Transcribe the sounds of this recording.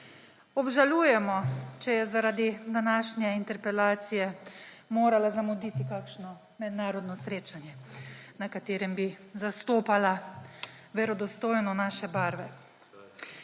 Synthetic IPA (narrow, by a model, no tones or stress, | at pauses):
ɔbʒaluːjɛmɔt͡ʃɛjɛzaɾaːd̪id̪anaːʃnjɛint̪ɛɾpɛlaːt̪sijɛ | moːɾalazamɔd̪iːt̪ikaːkʃnɔ | mɛd̪naːɾɔd̪nɔsɾeːt͡ʃanjɛnakat̪eːɾɛmbizast̪oːpala | ʋɛɾɔd̪ɔst̪oːjnɔnaːʃɛbaɾʋɛ